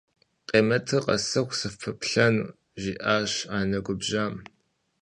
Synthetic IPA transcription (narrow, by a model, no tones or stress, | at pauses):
qʼeːmɐtʰɨqʼɐ̰sɐxʷsɨfʰɨpɬɐnṵː | ʒiːʔaːɕaːnɐɡʷʊbʒaːm